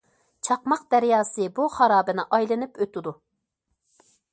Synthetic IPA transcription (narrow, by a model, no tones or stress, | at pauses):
t͡ʃʰɑqmɑq̚d̪̥æɾjɑːsɨbuχɑɾɑːbɨnɨʔɑjlˠɨnɨpøt̪ɪd̪u